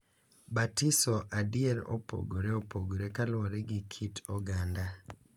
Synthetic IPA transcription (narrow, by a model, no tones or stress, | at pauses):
batisɔʔadiɛɾo̰po̰ɡoɾeopoɡoɾekalwɔɾeɡikʰitɔɡanda